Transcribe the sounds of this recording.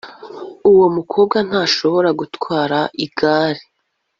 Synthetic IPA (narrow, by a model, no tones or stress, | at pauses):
uwomukʰo̞ːbɡan̥haːʃo̞βo̞ɾaɡutkwaːɾaʔiɡ̥aːɾi